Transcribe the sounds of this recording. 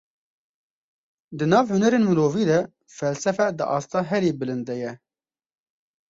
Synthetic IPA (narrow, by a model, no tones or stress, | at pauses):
d̪ɨnɑːvhʊnɛɾeːnmɨloːviːd̪ɛ | fɛlsɛfɛd̪ɨʔɑ̰ːst̪ɑːɦɛɾeːbɨlɨnd̪ɛjɛ